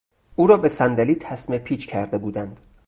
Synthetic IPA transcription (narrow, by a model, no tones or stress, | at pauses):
ʔuːɾɒːbesænd̪æliːt̪ʰæsmepʰiːt͡ʃkʰæɾd̪e̞buːd̪ænd̪̥